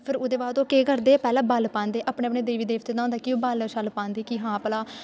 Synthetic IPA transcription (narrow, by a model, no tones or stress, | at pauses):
pʰɪɾʊd̪eːbaːd̪oːkeːɡəɾd̪eːpɛːlãːbəlpãːnd̪eːʔapɳeːəpɳeːd̪eːʋiːd̪eːʋt̪eːd̪ãːõːnd̪aːkɪoːbəlʃəlpãːnd̪eːkiɦãːpəlaː